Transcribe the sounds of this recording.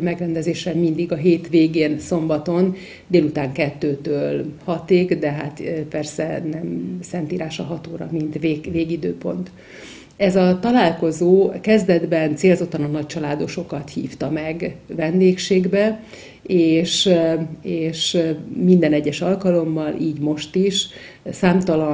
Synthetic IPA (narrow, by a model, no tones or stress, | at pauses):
mɛɡrɛnd̪ɛzeːʃɛmind̪iɡɒɦeːt̪ʋeːɡeːnso̞mbɒt̪o̞n | d̪eːlut̪aːŋkɛt̪ːøːt̪øːlhɒt̪eːɡd̪ɛɦa̰t̪pɛrsɛ̰nɛmsɛnt̪iːɾaːʃɒɦɒt̪oːɾɒ̰mint̪ʋeveːɡid̪øːpo̞nt̪ | ɛzɒt̪ɒlaːlko̞zoːkɛzd̪ɛd̪bɛnt̪seːlzo̞t̪ːɒnɒnɒc̚t͡ʃɒlaːd̪o̞ʃo̞kɒt̪hḭːft̪ɒmɛɡvɛnd̪eːkʃeːɡbɛ | eːʃ | eːʃmind̪ɛnɛɟːɛʃɒlkɒlo̞mːɒlʔiːɟmo̞ʃt̪iʃ | saːmt̪ɒlɒ